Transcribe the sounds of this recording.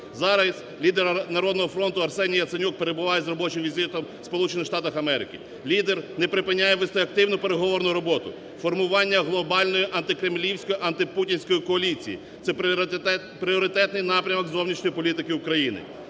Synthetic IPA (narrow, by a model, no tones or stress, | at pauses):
zɑɾɐsʲ | lʲid̪ɛɾnɐɾɔd̪nɔɦɔfɾɔnt̪ʊɐrsɛnʲijɐt̪senʲuk̚peɾe̞bʊʋɑjɛzrɔbɔt͡ʃɪmʋʲizʲɪt̪ɔm | spɔlˠut͡ʃenɪxʃt̪ɑt̪ɐxɐmɛɾɪkʲɪ | lʲid̪ernɛpɾɪpɪnʲːajɛʋɪst̪ɔjɐk̚t̪ɪwnʊpe̞ɾeɦɔʋɔɾnʊɾɔbɔt̪ʊ | fɔrmʊʋɑnʲːɐɦlˠɔbɑlʲnɔjiʔɐnt̪ɪkɾemlʲiwsʲkɔjiʔɐnt̪ɪputʲinʲsʲkɔjikɔɐlʲit͡sʲḭjḭ | t̪sɛ | pɾʲiɔɾɪt̪ɛt̪nɪjnɑpɾʲɐmɔɡzɔwnʲiʃnʲɔjipɔlʲit̪ɪkɪʊkɾɐjinɪ̰